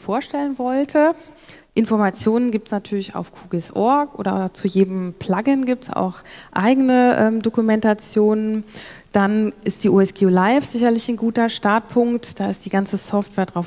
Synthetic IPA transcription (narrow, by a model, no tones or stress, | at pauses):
foːɐʃtɛlənvɔltʰəʔɪnfɔɐmat͡sjoːnənɡiːp̚tsnatʰyːɐlɪça̰ʊfkʰuːɡɪsʔɔɐkʔo̰ːdɐt͡sujeːdəm̩pʰl̥aɡɪnɡiːp̚tsa̰ʊxʔa̰ɪɡənəʔɛːmdokumɛntat͡sjoːnənd̥anɪstd̥iːʔuːɛsɡ̥eolaɪfz̥ɪçɐlɪçnɡuːtɐʃtaɐt̚pʰʊŋktd̥aːɪstd̥iːɡant͡səsɔftv̥ɛːɐdʁaʊf